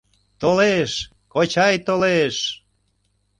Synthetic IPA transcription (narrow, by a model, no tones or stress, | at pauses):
t̪oleʃ | kot͡ɕɑjt̪oleʃ